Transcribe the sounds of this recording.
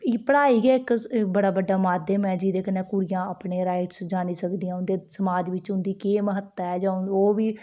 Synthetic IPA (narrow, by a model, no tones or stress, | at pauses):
iːpəɽaːiːɡɛːɪkbəɽaːbəɖːaːmaːd̪ɛːmɛ̃ːd͡ʒiːd̪eːkəneːkʊɾijãːapɳeːɾaːɪʈsd͡ʒaːɽ̃iːsəkd̪iːãːʊnd̪eːsəmaːd͡ʒʋɪt͡ʃʊ̃nd̪iːkeːməɦət̪ːaɛːd͡ʒãːoːʋiː